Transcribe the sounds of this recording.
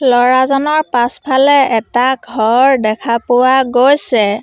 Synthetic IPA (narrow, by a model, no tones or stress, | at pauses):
lɔɹazɔnɔɹpaspʰalɛɛtaɡʱɔɹdɛkʰapʊwaɡojsɛ